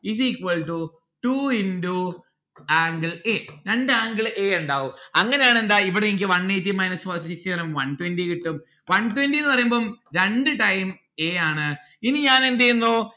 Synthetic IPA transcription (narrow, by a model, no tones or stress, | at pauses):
is̬iːkʋɐɭʈu | ʈuindu | aːŋɡiɭeːɾeɳɖɨaːŋɡiɭʔeːuɳɖaːʋumɐŋːɐnejaːɳe̞nd̪aːiʋiɽeenikʲːɨʋɐɳːeːtːimɐjnɐsfɐrsʈisikstiʋɐnɐmʋɐnʈwenɖikiʈːum | ʋɐnʈwendienːɨpɐrɐjumboːmɾeɳɖɨʈɐjm | e̞ːaːɳɨ | iniɲaːne̞nd̪ejunːoː